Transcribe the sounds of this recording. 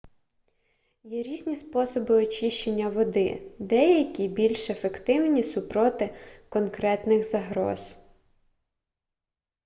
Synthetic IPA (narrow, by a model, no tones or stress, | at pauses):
jɛɾʲizʲnʲispɔsɔbɪɔt͡ʃiʃt͡ʃenʲːɐʋɔd̪ɪ̰d̪ɛjɐkʲibʲilʲʃefekt̪ɪwnʲisʊpɾɔt̪ɪkɔnkɾɛt̪nɪxzɐɦɾɔ̰z̥